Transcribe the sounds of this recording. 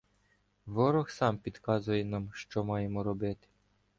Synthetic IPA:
ʋɔɾɔxsɑmpʲid̪kɑzʊjɛnɑmʃt͡ʃɔmɑjemɔɾɔbɪt̪ɪ̥

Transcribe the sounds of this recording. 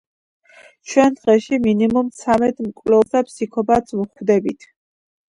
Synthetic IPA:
t͡ʃʰwɛnd̪ʁɛʃiminimumt̪sʰamɛt̪mkʼvlɛsapʰsikʰɔpat̪sʰvuχwvd̪ɛbit̪ʰ

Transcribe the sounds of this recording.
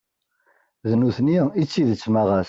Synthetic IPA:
ðənuθniit͡sːiðət͡sːmaʁæs

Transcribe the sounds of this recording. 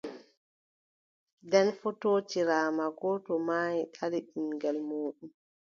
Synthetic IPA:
dɛnfɔtoːt͡ʃiɾaːmaɡɔtɔmaːjiɗaliɗimɡɛlmoːɗum

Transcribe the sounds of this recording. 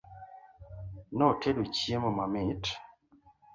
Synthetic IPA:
nɔtʰedut͡ʃiemɔmamit

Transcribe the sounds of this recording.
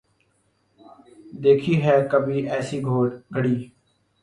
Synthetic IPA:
d̪eːkʰiːɦɛːkəbʱiːʔɛːsiɡʱoːɾɡʱəɽiː

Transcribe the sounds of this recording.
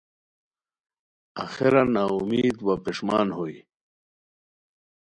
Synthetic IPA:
a̰xeɾanaːumiːd̪wapiʂmaːnhoj

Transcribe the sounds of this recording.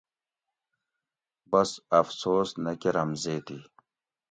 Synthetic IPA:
bɐsɐfsoːsnɐkiɾɐmzeːt̪i

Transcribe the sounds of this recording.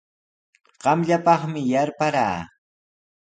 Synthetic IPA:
ɢ̥ɑmʎapɑχmɪjaɾpaɾa̰ː

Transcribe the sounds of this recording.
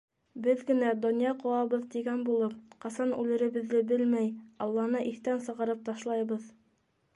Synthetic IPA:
bɘðɡɘ̆næd̪ŏnjɑqŏwɑβɤðt̪iɡænbulˠɤpqɑsɑnʉlɘ̆ɾɘ̆βɘ̆ðːɘbɘlmæjɑlˠːɑnɤʔiθt̪ænsɤ̆ʁɤ̆ɾɤp̚t̪ɑʃlˠɑjβɤð

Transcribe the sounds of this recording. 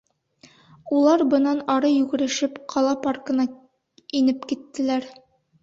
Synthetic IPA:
ulˠɑɾbɤ̆nɑnɒɾɤjʉɡɘ̆ɾɘ̆ʃɘpqʰɒlˠɑparkɤ̆nɑ | inɘpkit̪ːɘ̆læɾ

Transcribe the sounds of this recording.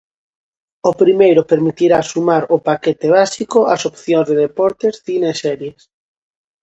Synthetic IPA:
opɾimejɾʊpeɾmit̪iɾasumaɾopaket̪eβasikoasopθjoŋzðeðepɔɾt̪esθinesɛɾjes

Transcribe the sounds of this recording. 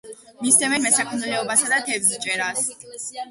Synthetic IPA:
mist̪ʰɛmɛɾmɛsakʰʼnulɛɔbasad̪at̪ʰɛvzt͡ʃʼɛɾas

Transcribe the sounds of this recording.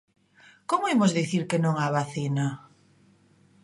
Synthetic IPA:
komoimozðiθiɾkenõŋaβaθina

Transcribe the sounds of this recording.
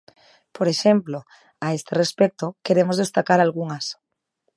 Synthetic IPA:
poɾeʃemplo | aest̪erespek̚t̪okeɾemozðest̪akaɾalɣuŋas

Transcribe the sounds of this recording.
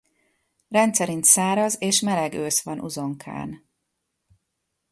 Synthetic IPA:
rɛnt̪sɛɾint̪saːɾɒzeːʃmɛlɛɡøːsʋɒnʔṵzo̞ŋkʰa̰ːn

